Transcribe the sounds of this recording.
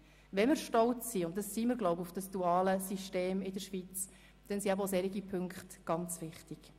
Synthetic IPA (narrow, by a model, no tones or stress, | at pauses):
ʋɛnmɪɾʃtɔlt͡sːiʊnt̚d̥ɑsːiːmɪɾɡlɔʊbʊfd̥ɑsd̥uɑːləsiʃteːmɪdəɾʃʋit͡s | d̥ɛnsiɛbəosɛɾiɡipʰʏŋkχtɡ̥ɑnt͡sʋɪχtiɡ̥